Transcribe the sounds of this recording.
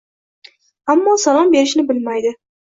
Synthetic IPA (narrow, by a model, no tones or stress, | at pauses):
amːɒsalˠɒmbe̞ɾɪʃnɪbɪlmajd̪ɪ